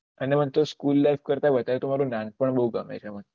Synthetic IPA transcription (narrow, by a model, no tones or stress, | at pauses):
ənemənt̪oskulːajfkəɾt̪aʋət̪aɾt̪omaɾũnãŋɡ̚pəɳbəɦuɡəmḛt͡ʃʰemən